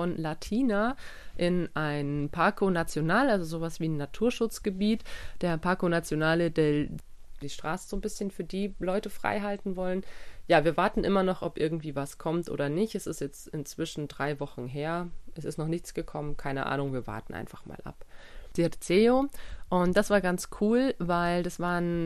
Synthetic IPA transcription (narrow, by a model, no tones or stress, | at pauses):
fɔnlatʰiːnaʔɪnʔaɪnpʰaɐkʰonat͡sjonaːlalzozoːvasv̥iːnːatʰuːɐʃʊt͡sɡ̥əbiːtd̥eːɐpʰaɐkonat͡sjonaːlədɛ | d̥iːʃtʁ̥aːsəz̥oːnbɪsçənfyːɐdiːlɔʏtəfʁ̥a̰ɪɦaltn̩vɔlənjaːviːɐvaɐtn̩ʔɪmɐnɔχʔɔpʔɪɐɡŋ̩tv̥iːvaskʰɔmtʔo̰ːdɐnɪçtɛsɪstjɛt͡stɪnt͡sv̥ɪʃn̩dʁaɪvɔχn̩ɦeːɐʔɛsɪ̰stnɔχnɪçt͡sɡ̥əkʰɔmənkʰaɪnəʔa̰ːnʊŋviːɐva̰ɐtn̩ʔa̰ɪnfaχma̰ːlʔa̰pd̥itt͡seːoʔʊnt̚d̥asv̥aːɐɡant͡skʰuːlvaɪldasv̥aːʁən